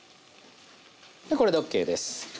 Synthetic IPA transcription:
d̪eko̞ɾeokːe̞ːd̪esɨ̥

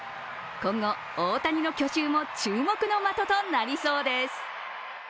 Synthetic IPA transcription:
kõ̞ŋɡo̞ | oːt̪aɲ̟ino̞kʲo̞ɕɨːmo̞t͡ɕɨːmo̞kɯ̟no̞mat̪o̞t̪o̞naɾʲisoːd̪e̞sɨ̥

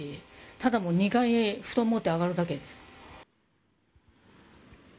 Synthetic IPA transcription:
it̪ad̪amo̞ɲ̟ikaieɸɯ̟̥t̪o̞mːo̞t̪ːe̞aɡaɾɯ̟d̪ake̞d̪e̞sɨ̥

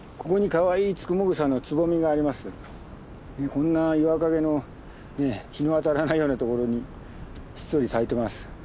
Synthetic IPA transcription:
kʰo̞ko̞ɲ̟ikaβaiːt͡sɨ̥kɯ̟moɡɯ̟sãnːot͡sɨbo̞mʲiɡaːɾʲimasɨ | ne̞kõ̞nːaiβakaɡe̞no̞ | ne̞çino̞βat̪aɾanaijo̞ːnat̪o̞ko̞ɾo̞ɲ̟i | ɕi̥soɾʲisait̪e̞masɨ̥

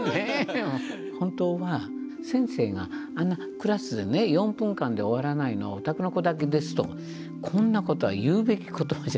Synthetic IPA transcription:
e | hõ̞nt̪o̞ːβa | sẽ̞ɰ̃se̞ːɡa̰ː | nːa | kɯ̟ɾasɨd̪e̞ne̞jõ̞mpɯ̟̃ŋkãnd̪e̞oβ̞aɾanaino̞̰a̰ot̪akɯnoko̞d̪ak̬e̞d̪e̞sɨ̥t̪o̰ | kʰõ̞nːako̞t̪o̞βa̰jɯːbe̞kʲi̥ko̞t̪omaʑa

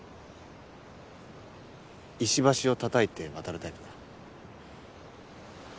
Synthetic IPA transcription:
iɕibaɕio̞t̪at̪ait̪e̞βat̪aɾɯ̟t̪aipɯd̪a

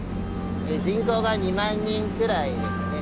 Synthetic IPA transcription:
ed͡ʑĩŋkoɡaɲimãɲːĩŋkɯɾaid̪esɨne

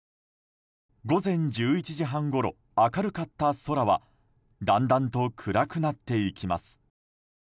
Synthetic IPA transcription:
ɡo̞zẽ̞ɲ̟d͡ʑɨːit͡ɕiʑiɦãŋɡo̞ɾo̞̰ | akaɾɯ̟kat̪ːaso̞ɾaβa̰ | d̪ãnd̪ãnt̪o̞kʰɯ̟ɾakɯ̟nat̪ːe̞ikʲima̰sɨ̥

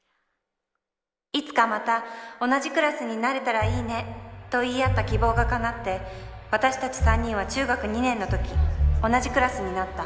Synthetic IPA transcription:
it͡sɨ̥kamat̪ao̞naʑikɯ̟ɾasɨɲ̟inaɾe̞t̪aɾaiːne̞t̪o̞iːat̪ːakʲibo̞ːɡakanat̪ːe̞βat̪aɕi̥t̪at͡ɕi̥sãɲ̟ːĩɰ̃βat͡ɕɨːɡakɯ̟ɲ̟inẽ̞nːo̞t̪o̞kʲio̞naʑikɯ̟ɾasɨɲ̟inat̪ːa

